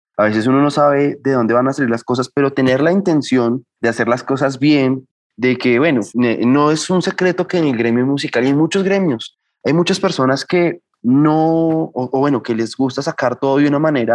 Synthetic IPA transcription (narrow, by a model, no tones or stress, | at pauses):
aβe̞se̞s̬uno̞no̞saβe̞ðeðo̞nd̪e̞βanasaliɾlasko̞s̬aspe̞ɾo̞t̪e̞ne̞ɾlaint̪e̞nsjo̞nd̪ease̞ɾlasko̞sazbje̞n | d̪e̞ke̞βwe̞noeno̞e̞sunse̞kɾe̞t̪o̞keːnelɡɾe̞mjomusikalajmut͡ʃo̞zɣɾe̞mjo̞s | ajmut͡ʃaspe̞ɾso̞naske̞ | noʔoβwe̞no̞ke̞le̞zɡust̪asakaɾt̪oðoðjunamane̞ɾa